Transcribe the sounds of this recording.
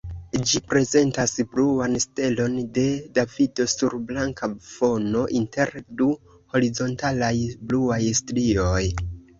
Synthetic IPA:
d͡ʒipɾe̞ze̞ntasbluanste̞lo̞nde̞davido̞suɾblaŋkʰafo̞no̞ʔinte̞ɾdu | ho̞ɾizo̞ntalajbluajstlio̞j

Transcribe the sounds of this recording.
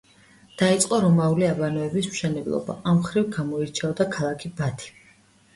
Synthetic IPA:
d̪̥ait̪sʼqʼɔɾɔmauliabanɔɛbismʃɛnɛblˠɔ̰ba̰ʔamχɾivɡamɔiɾt͡ʃʰavd̪akʰalˠakʰibat̪ʰi̥

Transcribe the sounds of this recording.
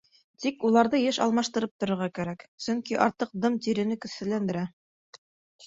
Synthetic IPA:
t̪ikulˠɑɾðɤjɘʃɑ̰lˠmɑʃt̪ɤ̆ɾɤp̚t̪ŏɾɤ̆ɾʁɑkæɾæksɵŋkiʔɑɾt̪ɤq̚d̪ɤmt̪iɾɘ̆nɘkɵ̆θɘ̆lænd̪ɘ̆ɾæ

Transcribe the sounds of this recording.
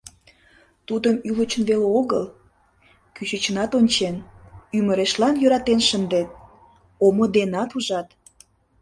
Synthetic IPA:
t̪ud̪əmylət͡ɕənβeleoɣəl | kyɕət͡ɕənɑt̪onʲt͡ɕenyməɾeʃlɑnjøɾɑt̪enʃənd̪et̪̚ | omod̪enɑt̪uʒɑt̪

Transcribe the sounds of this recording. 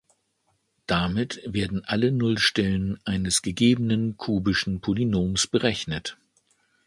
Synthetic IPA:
d̥amɪtv̥eːɐdn̩ʔalənʊlʃtɛlənʔaɪnəsɡ̥əɡeːbənənkʰuːbɪʃn̩pʰolinoːmsb̥əʁɛçnət

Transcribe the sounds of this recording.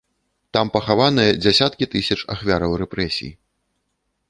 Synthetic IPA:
t̪ampɐxavanɨjɐd͡zʲasʲat̪kʲit̪ɨsʲɐt͡ʂa̰xvʲaɾɐwrɛpɾɛsʲḭjḭ

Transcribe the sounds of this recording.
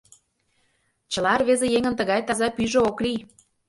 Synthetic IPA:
t͡ɕə̆lɑrβezejeŋə̆nt̪ə̆ɣɑjt̪ɑzɑpyʒeoklij

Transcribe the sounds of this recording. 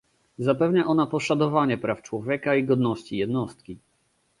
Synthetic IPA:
zapɛvɲaʔɔnapɔʂad̪ɔvaɲɛpɾaft͡ʂwɔvʲjɛkaiɡɔd̪nɔɕt͡ɕijɛd̪nɔst̪̚kʲi

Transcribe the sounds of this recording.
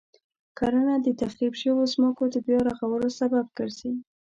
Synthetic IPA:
kaɾənad̪ət̪axɾibʃəwozməkod̪əbjɑɾaɣawəlosabab̚kəɾsi

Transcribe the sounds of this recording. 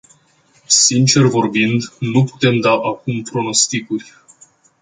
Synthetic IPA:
sint͡ʃe̞rvo̞rbind̪nupu̥t̪e̞md̪aʔakumpɾo̞no̞st̪ikurʲ

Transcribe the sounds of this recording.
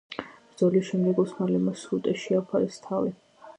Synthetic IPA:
b̥ɾd̪zɔliʃɛmd̪ɛɡɔsmalɛmasut̪ʼɛʃiapʰaɾɛst̪ʰavi

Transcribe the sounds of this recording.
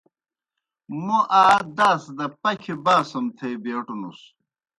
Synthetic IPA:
muʔaːd̪aːsd̪ɐpɐkʰibaːsɐmt̪ʰejbeːʈunus

